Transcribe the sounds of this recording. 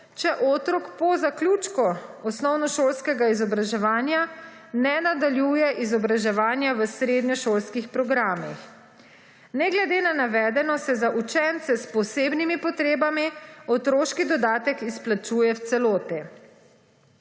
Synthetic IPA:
t͡ʃɛʔoːt̪ɾɔkpɔzaklʲuːt͡ʃkɔɔsnɔwnɔʃoːlskɛɡaizɔbɾaʒɛʋaːnja | nɛnad̪aljuːjɛʔizɔbɾaʒɛʋaːnjaʋəsɾeːd̪ɲɔʃoːlskixpɾɔɡɾaːmix | nɛɡlɛd̪eːnanaʋɛːd̪ɛnɔsɛzaʔut͡ʃɛnt̪sɛspɔseːbnimipɔt̪ɾeːbamiɔt̪ɾoːʃkid̪ɔd̪aːt̪ɛkisplat͡ʃuːjɛwt̪sɛloːt̪ɛ

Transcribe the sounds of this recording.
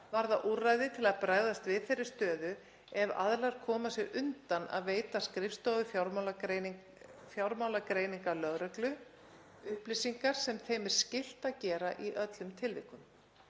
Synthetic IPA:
vaɾðaʔuraːjðɪt̪ʰɪlaðpɾaːɣðast̪vɪðθejrːɪst̪œːðʏ | ɛva̰ðlaɾ̥kʰɔːmasjɛɣʔʏnt̪ana̰ðveːjt̪askɾɪfst̪oːðʏfjawɾmawle | fjawɾmaːwlakɾeːjniŋkalœɣɾɛklʏ | ʏhplɪsiŋkaɾ̥sɛmθejmɪɾ̥scɪl̥t̪aðcɛːɾa̰ʔiʔœt̪lʏmt̪ʰɪlvɪːhkʏm

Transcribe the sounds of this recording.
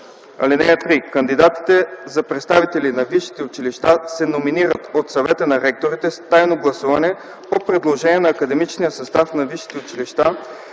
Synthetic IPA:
ɐ̰lɛnɛjət̪ɾikɐnd̪id̪at̪i̥t̪ɛzɐpɾɛt̪st̪avit̪ɛlinɐviʃi̥t̪ɛʊt͡ʃiliʃt̪asɛnominiɾət̪ot̪sɐvɛt̪ənɐɾɛk̚t̪oɾit̪ɛst̪ajnoɡlˠɐsuvɐnɛ | popɾɛd̪lˠoʒɛniɛnɐːkɐd̪ɛmit͡ʃnijəsɐst̪afnɐviʃi̥t̪ɛʊt͡ʃiliʃt̪a

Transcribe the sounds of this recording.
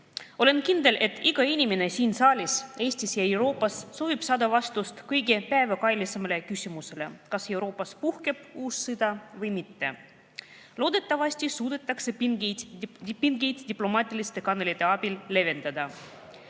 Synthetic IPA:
o̞le̞nkind̪e̞lʔe̞t̪ːˑiɡ̥ɑinʲime̞ne̞siːnsɑːlʲise̞ːsʲt̪isjɑe̞wɾo̞ːpːˑɑsːo̞ːvib̥sɑːd̪̥ɑvɑst̪ust̪kɤjɡe̞pæevɑkɑjlʲisemɑle̞kysʲimuse̞le̞̰kɑse̞wɾo̞ːpːˑɑspuhke̞b̥uːsːɨd̪̥ɑvɤjmit̪ːe̞̰ | lo̞ːd̪̥e̞t̪ːˑɑvɑsʲt̪ʲisuːd̪̥e̞t̪ːˑɑkse̞piŋɡ̪ | piŋɡejd̪d̪ʲiplo̞mɑːt̪ʲːˑilist̪e̞kɑnelʲit̪ːˑe̞ɑb̥ilːe̞ve̞nd̪̥ɑd̪ɑ

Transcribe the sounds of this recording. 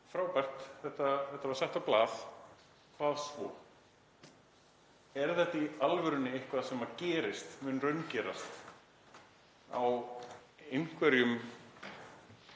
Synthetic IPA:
fɾaːwpar̥t̪θɛht̪aθɛht̪avaɾ̥sɛht̪aplaːð | kʰvaːðsvɔ̰ː | ɛɾ̥θɛht̪ːaialvʏɾʏnːɪehkvaðasɛmːacɛːɾɪst̪mɛnrœɥncɛːɾast̪ | a̰w | ejŋ̥kvɛɾjʏm

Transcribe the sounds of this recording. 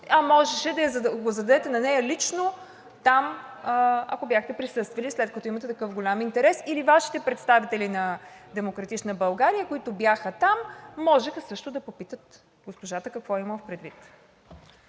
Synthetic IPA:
ɐmɔʒɛʃɛd̪ɐzɡozɐd̪ɐd̪ɛt̪ɛnɐnɛjəlit͡ʃno | t̪am | ɐ̰kobjaxt̪ɛpɾisɤst̪vɐlislɛt̪kɐt̪ɔimɐt̪ɛt̪ɐkɤfɡolʲamint̪ɛɾɛsilivaʃi̥t̪ɛpɾɛt̪st̪avit̪ɛlinɐd̪ɛmokɾɐt̪it͡ʃnəbɐlˠɡaɾijəkoit̪objaxət̪amːɔʒɛxəsɤʃt̪ʊd̪ɐpopit̪ət̪ | ɡospoʒat̪əkɐkvɔiməfpɾɛd̪vit̪

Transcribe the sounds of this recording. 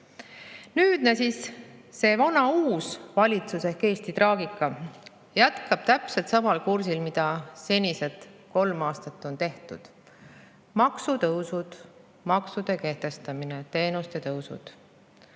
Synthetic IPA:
nyːd̪̥næsisːe̞vɑnɑuːsvɑlʲit̪susehkːe̞ːst̪it̪rɑːɡikːˑɑ | jæt̪kɑb̥̚t̪æpse̞lt̪sɑvɑlkursilmid̪̥ɑse̞nʲise̞d̪ko̞lmɑːst̪ɑt̪ːˑo̞nt̪e̞ht̪ud̪̥ | mɑksut̪ɤwsud̪̥ | mɑksud̪̥e̞ke̞ht̪e̞st̪ɑmine̞t̪e̞ːnust̪et̪ɤwsṵd̪̥

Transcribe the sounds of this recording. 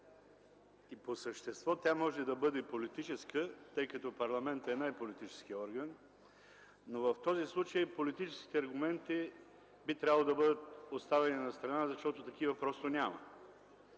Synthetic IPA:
iposəʃt̪ɛst̪vɔt̪ʲjamɔʒɛd̪ɐbɤd̪ɛpolit̪it͡ʃɛskət̪ɤjkɐt̪ɔpɐɾlˠɐmɛnt̪ɛnajpolit̪it͡ʃɛ̥sk̟iɔɾɡən | ovɐft̪ɔzislˠut͡ʃəjpolit̪it͡ʃɛski̥t̪ɛɐɾɡʊmɛnt̪i | bit̪ɾʲabəlˠod̪ɐbɤd̪ət̪ost̪avɛninɐst̪ɾɐnazɐʃt̪ɔt̪ot̪ɐk̟ivəpɾɔst̪onʲamə̰

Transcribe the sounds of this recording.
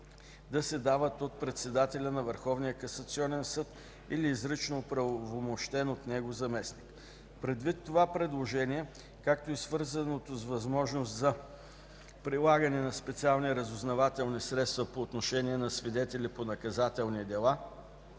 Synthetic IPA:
d̪ɐsɛd̪avət̪ot̪̚pɾɛt̪sɛd̪at̪ɛlʲənɐvəɾxɔvniəkɐsɐt̪siɔnɛnsɤt̪ | iliːzɾit͡ʃnopɾɐvomoʃt̪ɛnot̪nɛɡozɐmɛsnik | pɾɛd̪vit̪ːovapɾɛd̪lˠoʒɛniɛ | kak̚t̪oisvɤɾzənot̪ozvɐzmɔʒnos̬t̪zɐ | pɾilˠaɡənɛnɐspɛt̪sialˠniɾɐzʊznɐvat̪ɛlˠnisɾɛt̪st̪vɐpoːt̪noʃɛniɛnɐsvid̪ɛt̪ɛlʲiponɐkɐzat̪ɛlˠnid̪ɛlˠa

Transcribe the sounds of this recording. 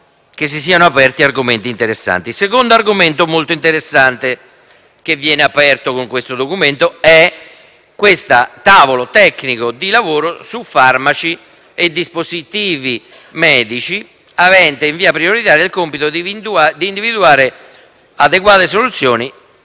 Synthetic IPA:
k̟es̬ːis̬iːanoapɛrt̪iarɡument̪iːnt̪eɾesːa̰nt̪isekond̪oarɡument̪omolt̪oint̪eɾesːant̪e | k̟evːjɛːneapɛrt̪okoŋkwest̪od̪okument̪oɛ | kwest̪at̪aːvolot̪ɛkːnikod̪ilavoːɾosufarmat͡ʃi | ed̪ːispozit̪iːvi | mɛːd̪it͡ʃi | avɛnt̪eiɱviːapɾioɾit̪aːɾeilkompit̪od̪iid̪uad̪iːnd̪ivid̪uaːɾe | ad̪ekwaːt̪es̬olut̪sːjoːni

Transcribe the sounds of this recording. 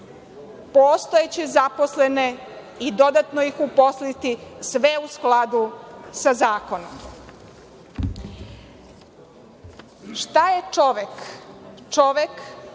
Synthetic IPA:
post̪ojet͡ɕezapo̞slene | id̪o̞d̪at̪nojixupo̞slit̪isʋeusklad̪usazaːko̞nom | ʃt̪ajet͡ʃoʋek | t͡ʃoʋek

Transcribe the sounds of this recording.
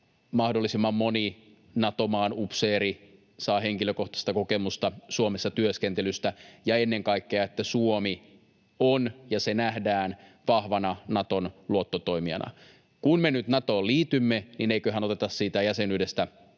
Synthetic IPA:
mɑhdolːisimːɑmmoni | nɑt̪omɑːnupseːɾi | sɑːɦeŋkiløkoht̪ɑst̪ɑkokemust̪ɑsuomesːɑt̪yøskent̪elyst̪æjɑenːeŋkɑikːeɑet̪ːæsuomi | onjɑsenæhdæːnʋɑhʋɑnɑnɑt̪onluot̪ːot̪o̞imiɑ̰nɑ̰ | kunmenyt̪nɑt̪oːliːt̪ymːenineikøɦæno̞t̪et̪ɑssiːt̪æjæsenydest̪æ

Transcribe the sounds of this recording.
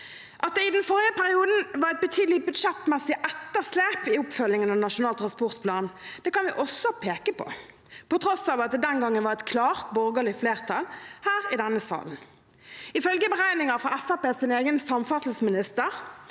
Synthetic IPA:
ʔɑt̪̚d̪ɛɪd̪ɛnfɔɾɪəpʰæʁɪuːd̪n̩ʋɑʁɛɪt̪̚bət̪ʰyːd̪lɪbʉd̪ʃɛt̪ːmɛsɪʔɛt̪ːəʁsleːpɪʊpfœlɪŋənɑnɑʂʊnɑːlt̪ʰʁɑnspɔʁt̪pʰlɑːnd̪̥ɛːkɑnʋɪʔɔsɔpʰeːkəpʰɔ̰ | pɔt̪ʰɾɔsɑːʋɑt̪̚d̪ɛd̪ɛnɡɑŋːənʋɑʁɛt̪kʰlɑːʁt̪bɔɾɡəlɪfleːʁt̪ʰɑlhæːʁɪd̪ɛnːəsɑ̰ːln̩ | ɪfœlɡəbəʁæɪnɪŋɑʁfʁɑɛfɑpeːsɪneːɡənsɑmfɑt̪l̩smɪnɪst̪əʁ

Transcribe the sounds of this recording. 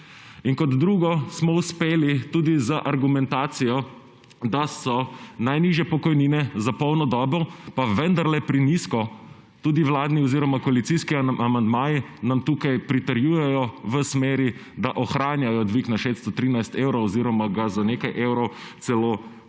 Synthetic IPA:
iŋkɔd̪d̪ɾuːɡɔsmɔuspeːlit̪uːd̪izəʔaɾɡumɛnt̪aːt̪sijɔ | d̪asɔnajniʒjɛpɔkɔjniːnɛzapɔwnɔd̪ɔːbɔwpaʋənd̪aɾlɛpɾiniskɔ | t̪uːd̪iwlaːd̪niɔziɾɔmakɔalit̪siskiamand̪maːji | namt̪uːkajpɾit̪əɾjuːjɛjɔʋəsmeːɾid̪aʔɔxɾaːnjajɔd̪ʋiːknaʃet̪st̪ɔt̪ɾiːnajst̪eːwɾowɔziːɾɔmaɡazaneːkajʔeːwɾɔw | t̪sɛloː

